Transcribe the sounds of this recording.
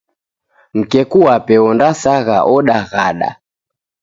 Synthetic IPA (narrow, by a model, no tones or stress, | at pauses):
m̩kɛkuwapɛɔndasaɣa̰ʔɔɗaɣaɗa̰